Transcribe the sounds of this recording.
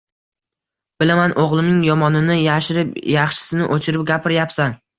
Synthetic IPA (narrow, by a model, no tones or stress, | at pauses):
b̥ɪlamanʔoʁlˠɪmnɪŋjɒmɒnɪnɪjaʃɪɾɪpjɑχʃɪ̥sɪnɪʔot͡ʃʰɪɾɪp̚ɡʲapʰɪɾjapsan